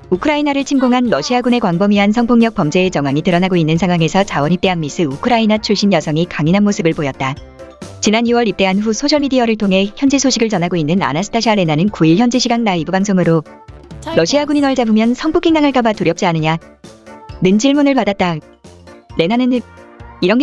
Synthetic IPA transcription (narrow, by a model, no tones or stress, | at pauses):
ukʰɯɾainaɾɯɭt͡ɕʰimɡoŋɦanɾʌɕʰiaɡune̞kwaŋbʌmiɦansʰʌŋpʰoŋɲʌk̚pʌmd͡ʑe̞ːt͡ɕʌŋwaŋitɯɾʌnaɡoinːɯnsʰaŋɦwaŋe̞sʰʌt͡ɕawʌnipt͈e̞ɦanmis͈ɯukʰɯɾainat͡ɕʰuɭɕ͈injʌsʰʌŋikaŋinɦanmosʰɯbɯɭpojʌt̚t͈a | t͡ɕinanjuwʌɾip̚t͈e̞anɸusʰoɕʰʌɭmidiaɾɯɭtʰoŋɦe̞çjʌnd͡ʑesʰoɕʰiɡɯɭt͡ɕʌnɦaɡoinːɯna̰nasʰɯtʰaɕʰiaɾe̞nanɯnkuiɭçjʌnd͡ʑeɕʰiɡannaibubaŋsʰoŋɯɾo | ɾʌɕʰiaɡuɲinwʌɭd͡ʑabumjʌnsʰʌŋpʰokʰiŋdaŋɯɭkabatuɾjʌp̚t͡ɕ͈ianɯɲa | nɯnd͡ʑiɭmunɯɭpadat̚t͈a | ne̞nanɯniɾʌn